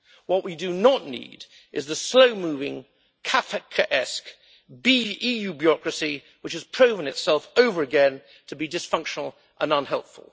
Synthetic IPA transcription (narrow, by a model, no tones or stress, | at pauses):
wʌʔwidɨnəʔⁿnḭd | ɨzðəsloʊmʉvɪ̃ŋ | kʰafɨkʰəʔɛsk | biijʉbjɑkɹɨsi | wɨt͡ʃhɨz̥pʰɹ̥oʊvə̃nɨtsɛlˠfoʊvə˞ɨɡɛ̃n | tʰəbidɨsfʌ̃ŋkʃnl̩ˠ | ʔə̰̃nʌ̃nɦɛlˠpfə̰l̩ˠ